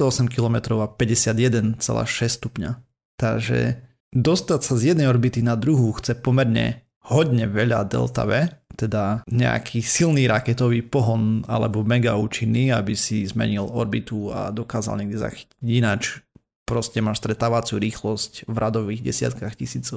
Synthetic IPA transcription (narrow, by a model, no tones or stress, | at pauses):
t̪ɔɔsɛmkilɔmɛt̪ɾɔʊapɛɟɛsɪad̪jɛd̪ɛnt͡sɛ̰la̰ːʃɛsst̪upɲa̰ | t̪aʒɛ̰ | d̪ɔst̪acsazjɛd̪nɛɪjɔɾbit̪inad̪ɾuɦuxt͡sɛpɔmɛɾɲɛ̰ | hɔɟ̪ɲɛʋɛʎa̰d̪ɛ̰lt̪a̰ʋɛt̪ɛd̪aɲɛ̰a̰kʰisilniːɾakɛt̪ɔʋiːpɔɦɔna̰lɛbɔmɛɡauːt͡ʃinːiabisizmɛ̰ɲilɔɾbit̪ua̰d̪ɔkaːza̰lɲɛɡ̚d̪iza̰xi̥ci̥iɟinat͡ʃ | pɾɔscɛmaːʃst̪ɾɛt̪aːʋat͡suɾiːxlɔscvɾad̪ɔʋiɣɟɛ̰sɪa̰t̪kaxcisiːt͡sɔʊ